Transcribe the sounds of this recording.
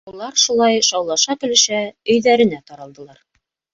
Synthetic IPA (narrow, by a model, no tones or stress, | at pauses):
ulˠɑɾʃulˠɑjʃɑwlˠɑʃɑkɘ̆lɘ̆ʃæɵ̆jðæɾɘ̆næt̪ɑɾɑlˠd̪ɤ̆lˠɑɾ